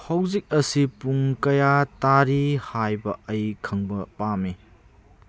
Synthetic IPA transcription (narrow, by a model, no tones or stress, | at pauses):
hɐwzik̚ɐsipuŋkɐjataɾihajbɐɐjkʰɐŋbɐpami